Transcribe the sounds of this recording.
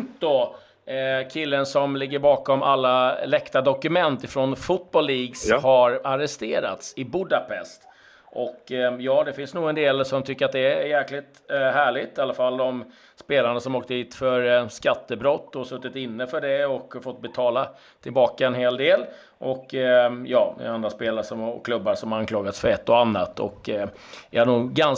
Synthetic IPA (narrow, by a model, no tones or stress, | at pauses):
d̪ɔ | kʰɪlːənsɔmlɪɡːəɾbɑːkɔmʔa̰lːalɛkt̪ad̪ɔkɵmɛnt̪ɪfɾonfʊt̪̚bɔlːiːɡshaɾaɾɛst̪eːɾa̰t̪sɪbʊd̪apʰɛ̰st̪ | ʔɔkjɑːd̪ɛfɪnsnuːɡənd̪eːlsɔmt̪ʰʏkːəɾat̪̚d̪ɛjæɾklɪt̪hæːɭɪt̪alːafald̪ɔm | speːlaɳasɔmoːkt̪əd̪iːt̪fœɾskat̪ːəbɾɔt̪ːɔsɵt̪ːɪt̪ɪnːəfœɖɛɔkːfɔt̪̚ːbɛt̪ʰɑːla | t̪ʰɪlbɑːkaɛnɦeːld̪eːl | ʔɔkːjɑːɛ̰and̪ɾaspeːlaɾəʂɔmkʰlɵbːaʂɔmankʰlɑːɡat̪sfœɾɛt̪ːɔanːat̪ɔ̰kː | jaaɳuːɡːan